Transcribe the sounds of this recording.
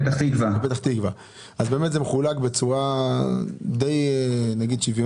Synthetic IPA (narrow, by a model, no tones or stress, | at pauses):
t̪aχt̪ikvabet̪aχt̪iɡva | ʔazbe̞ːmet̪zemeχulaɡbet͡suʁa | d̪ejnaɡid̪ʃivjo